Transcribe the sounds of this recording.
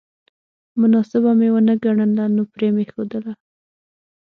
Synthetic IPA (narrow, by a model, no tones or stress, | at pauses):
mʊnɑsɪbamewənəɡaɳənlanopɾemexod̪əla